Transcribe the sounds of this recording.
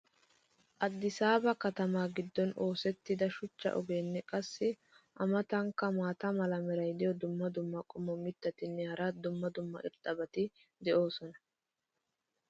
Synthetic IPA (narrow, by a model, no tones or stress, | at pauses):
ʔɐd̪ːɪsaːbɐkɐt̪ɐmaːɡɪd̪ːɔno̞ːsɛt̪ːɪd̪ɐʃʊt͡ʃːɐ̰ʔɔ̰ɡeːnːɛkʼɐsːɪ | ʔɐmɐt̪ɐŋkːɐmaːt̪ɐmɐlɐmɛɾɐjd̪ɪjɔd̪ʊmːɐd̪ʊmːɐkʼʊmɔmɪt̪ːɐt̪ɪnːɛhɐɾɐd̪ʊmːɐd̪ʊmːɐ̰ʔɪ̰ɾt̪ʼːɐbɐt̪ɪ | d̪ɛʔo̞ːsɔnɐ